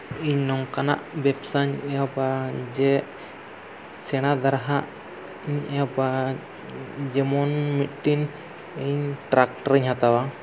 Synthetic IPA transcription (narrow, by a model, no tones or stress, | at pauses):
iɲnɔŋkana̰ʔbɛpsaɲɛjɔbad͡ʒɛʔ | sɛɽ̃ad̪aɾɦaʔ | iɲɛjaba | d͡ʒɛmɔnmit̪̚ʈin | iɲʈɾak̚ʈɔɾiɲhat̪awa